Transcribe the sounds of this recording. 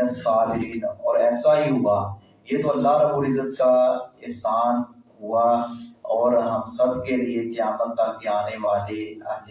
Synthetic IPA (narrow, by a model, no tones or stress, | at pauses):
əsaːbɪɾiːnɔ̰ːɾɛːsaɦiɦʊa | jeːt̪oɐlːaɦɾɐbuːɾɪzːət̪̚kaɪɾsaːnɦuaɔːɾɦɐmsɐb̚keliekjaːmət̪̚ːakeaːneʋaːleaː